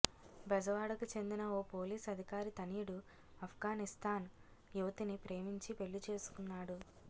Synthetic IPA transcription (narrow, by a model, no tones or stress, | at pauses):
bɐd͡ʒɐʋaːɽɐkut͡ʃe̞nd̪inɐoːpo̞ːliːsɐd̪ʱikaːɾit̪ɐniːɽu | ɐpʰɡaːnist̪ʰaːn | juʋɐt̪inipɾe̞ːmiɲt͡ʃipe̞ɭːit͡ʃe̞ːsu̥kunːaːɽu